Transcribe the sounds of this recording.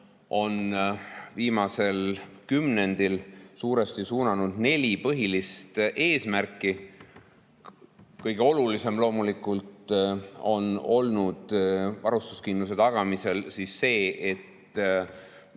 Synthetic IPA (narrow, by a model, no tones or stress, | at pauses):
o̞nviːmɑse̞lkymne̞nd̪̥ilsuːɾe̞st̪isuːnɑnud̪̥ne̞lʲipɤɦilist̪ʔe̞ːsmærkːˑi | kɤjɡ̥e̞o̞lulise̞mlo̞ːmulikːˑult̪ | o̞no̞lnud̪̥vɑɾust̪u̥skind̪use̞t̪ɑɡ̥ɑmise̞lsiːsːe̞ːʔet̪